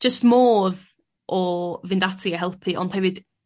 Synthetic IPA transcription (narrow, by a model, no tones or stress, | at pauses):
ʒ̥əstmoːð | ʔɔvɪndatʰiəɦɛlˠpʰiʔɔ̰nd̥hɛvɪd̥